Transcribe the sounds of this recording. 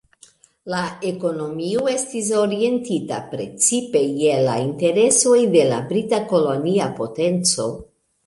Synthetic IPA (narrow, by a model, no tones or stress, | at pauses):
lae̞ko̞no̞mioe̞stis̬o̞ɾie̞ntita̰pɾe̞̰t͡sipe̞jela̰inte̞ɾe̞so̞jde̞la̰bɾitako̞loniapo̞te̞nt͡so̞